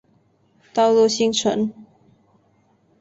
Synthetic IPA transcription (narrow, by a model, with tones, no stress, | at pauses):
t̪ɑ˥˧ʊlɔ˥˩ɕi˥ŋʈ͡ʂʰə̰˧˥˦n